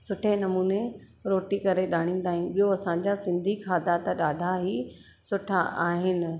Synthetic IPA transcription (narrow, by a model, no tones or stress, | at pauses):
sʊʈʰenɐmuːne | ɾoːʈikɐɾeɗaːɽ̃ĩːn̆d̪aːɦĩnɓijoɐsãɲd͡ʑasɪ̃nd̪ʱikʰaːd̪ʱat̪ɐɗaːɖʱaɦi | sʊʈʰaʔaːɦɪnɪ̆